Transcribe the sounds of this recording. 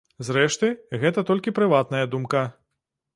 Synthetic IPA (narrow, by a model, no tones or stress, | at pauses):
zɾɛʂt̪ɨɣɛt̪ɐt̪ɔlʲkʲipɾɨvat̪nɐjɐd̪umkɐ